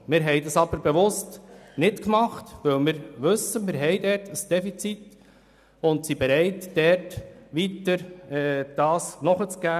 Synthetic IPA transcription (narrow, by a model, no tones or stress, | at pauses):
mɪɾɦɛɪdɑsɑb̥əɾbeʋʊstnɪtkmɑχtʋɵwmɪːɾʋɵsːəmɪɾɦɛɪdɛɾtəsd̥ɛfit͡sit | ʊntsibɛɾɛɪtdɛɾtʋitəɾɛːd̥ɑːsnɔχət͡sɡ̥æː